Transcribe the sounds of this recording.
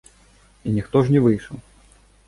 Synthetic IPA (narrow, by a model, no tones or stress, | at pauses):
inʲixt̪ɔʐnʲɛvɨjʂɐw